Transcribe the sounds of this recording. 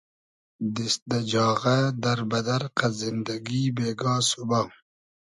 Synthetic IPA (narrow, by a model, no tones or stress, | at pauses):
d̪isd̪ad͡ʒɑːɣad̪aɾbad̪aɾqazɪnd̪aɡibeːɡɑːsubaː